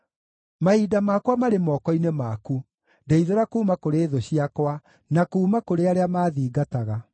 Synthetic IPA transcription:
maidamaːkwamaɾemɔːkɔinemaku | ndeiðeɾakuːmakoɾeːðoɕiakwa | nakuːmakoɾeaɾeamaːðiːɡataɣa

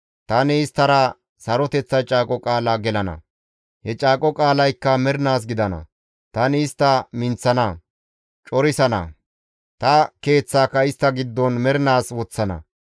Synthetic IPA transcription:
t̪ɐnɪːst̪ːɐɾɐ | sɐɾɔt̪ɛt͡sːɐt͡ʃʼaːkʼɔkʼaːlaːɡɛlɐnɐ̰ | hɛt͡ʃʼaːkʼɔkʼaːlɐjkːɐmɛɾnaːs̬ɡɪd̪ɐnɐ̰ | t̪ɐnɪɪst̪ːɐmɪnt͡sːɐnɐ | t͡ʃʼɔɾɪsɐnɐ̰ | t̪ɐke̞ːt͡sːaːkːɐɪst̪ːɐɡɪd̪ːɔnmɛɾɪnaːswɔt͡sːɐnɐ̰

